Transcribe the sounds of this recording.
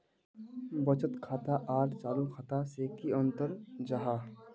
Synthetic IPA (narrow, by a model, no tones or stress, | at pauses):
bət͡ʃət̪kʰaːt̪aʔaːʈʰt͡ʃaːlukʰat̪asekiə̃nt̪əɾd͡ʒaɦaː